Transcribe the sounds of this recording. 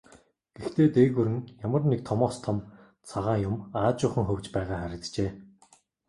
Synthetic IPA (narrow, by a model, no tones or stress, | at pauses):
ɡ̥ext̪ʰeːt̪eːɣuɾɘ̆ŋjamə̆rnek̚t̪ʰɔmɔːst̪ʰɔm | t͡sʰaʁaːjʊmaːt͡ɕʊːχə̆ŋxɵwt͡ɕpæːʁaːχæɾʲɪ̆t͡st͡ɕeː